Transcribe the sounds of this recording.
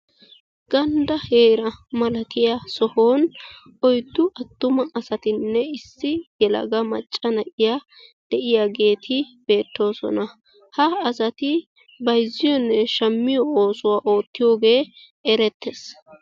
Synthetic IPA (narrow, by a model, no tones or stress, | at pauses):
ɡ̥ɐnd̪ɐhe̞ːɾɐmɐlɐt̪ɪjasɔhoːn | ʔɔjd̪ːʊʔɐt̪ːʊmɐʔɐsɐt̪ɪnːɛɪsːɪjɛlɐ̰ɡɐmɐ̰t͡ʃʼːɐnɐʔɪja | d̪̥ɛʔɪjaɡe̞ːt̪ʰɪb̥e̞ːt̪ːo̞ːsɔ̰nɐ | hɐːsɐt̪ɪ | bɐjzːɪjɔnːɛʃɐmːɪjɔoːsʊwaːʔo̞ːt̪ːɪjo̞ːɡe̞ː | ɛɾɛt̪ːes